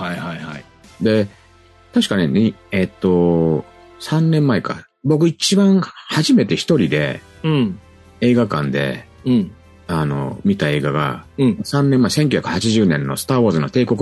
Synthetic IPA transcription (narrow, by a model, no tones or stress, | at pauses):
haihaihai | d̪e̞ | t̪aɕi̥kaneɲʲiet̪ːo̞ | sãnːẽ̞mːaeka̰ | bo̞k̬ɯ̟it͡ɕibãɰ̃haʑime̞t̪e̞çi̥t̪o̞ɾʲid̪ẽ̞̰ | e̞ːɡakã̰nd̪ẽ̞̰ | ano̞̰mʲit̪ae̞ːɡaɡã̰sãnːẽ̞mːaese̞ŋkʲɨ̟çʲakɯ̟̥hat͡ɕiʑɨːnẽ̞nːo̞̰sɨ̥t̪aːβoːzɨno̞t̪e̞ːko̞k